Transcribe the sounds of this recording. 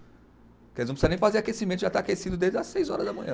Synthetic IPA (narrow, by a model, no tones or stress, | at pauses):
kɛlzñpsɾnẽj̃fazeɾakesimẽt̪ʊʒat̪aakesid̪ʊd̪ezd̪ɐsejzɔ̰ɾɐzd̪ɐmɐ̃ɲ̃ɐ̃